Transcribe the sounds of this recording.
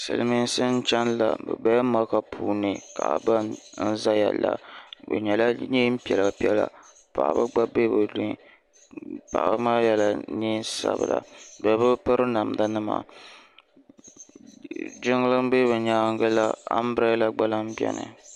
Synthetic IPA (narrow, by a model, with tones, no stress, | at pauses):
sɨ̰˨lmi˦n˦sɨ˦n̩˦t͡ʃɛ˦nla̰˨bɛ̰˨bɛ˦ma˦ka˦pʰuː˦nɨ˨ka̰˨ba˦nn̩˦za˦jɛ̰˨la˦bɨ̰˨ɲɛ˨la˦ɲi˦m̩˦pi˨ɛ˨lɨ˨pi˦ɛ˦la̰˨ | pa̰˨bɨ˦ɡ͡ba˦be˦bɨ˨lu˦ | pa̰˨bɨ˦maː˦jɛ˦la˨ni˦sa̰˦bɨ̰˨la˨bɛ˨˦bɨ˦pɨ˦ɾɨ˦na˨m˨da˦nɨ˦ma̰˨ | d͡ʒɪ˦ŋ˦lɨ˦m˦be˦bɨ˨ɲaː˦ŋ˦ɡɨ˦la˦a̰˦m˦bɾɛ˦la˦ɡ͡ba˦la˦m˦bi˦ɛ̰˦nɨ̰˨